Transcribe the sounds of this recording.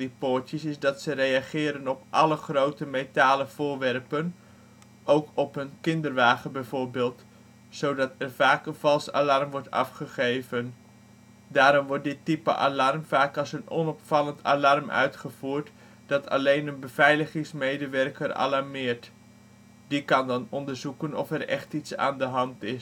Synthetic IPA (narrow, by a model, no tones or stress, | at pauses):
dipoːɹtjəsɪsdɑtsərejaχɪːɾənɔpʔɑləχrowtəmejtaːləv̥ʊːɹʋɛrpən | owkʰɔpənkɪndəɹʋaːχənbɛjvoːɹbeːlˠt | sowdɑtɛɹvaːkənv̥ɑlˠsa̰lɑrmʋɔɹtɑ̰fχəχejvən | daːɾɔmʋɔɹt̚dɪtːipə̰ʔa̰lɑrmvaːkɑlˠsənɔnɔpfɑləntʰa̰lɑrmœ̰ɥtχəv̥uːɹt | d̥ɑtʰɑ̰lejnənbəv̥ɛjləχɪŋsmejdəʋɛrkərɑ̰lɑɹmɪːɹt | d̥ikɑndɑnɔndəɹzukənɔ̰fɛɾɛ̰χtitsa̰ːndəɦɑntɪs